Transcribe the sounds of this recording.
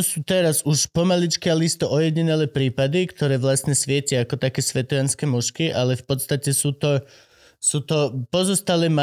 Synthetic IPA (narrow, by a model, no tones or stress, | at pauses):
suːt̪ɛɾazuʃpɔmalit͡ʃkialist̪ɔʔɔjɛɟiɲɛlɛːpɾiːpad̪ikt̪ɔɾɛːʋlasɲɛsʋɪɛcɛakɔt̪akɛːsʋɛt̪ɔjanskɛːmɔʃkiʔalɛfpɔt̪st̪acɛsuːt̪ɔ | suːt̪ɔpɔzɔst̪alɛːma